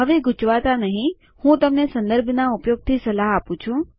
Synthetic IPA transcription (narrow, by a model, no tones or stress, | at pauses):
ɦəʋeɡʱut͡ʃʋat̪anəɦĩ | hũt̪əmnesənd̪əɾbʱnaupjoɡ̚t̪ʰisəlaɦapũt͡ʃʰũ